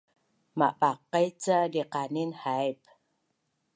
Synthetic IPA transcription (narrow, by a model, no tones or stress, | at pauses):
ma̰ʔpaqːajt͡sadiqaninhajp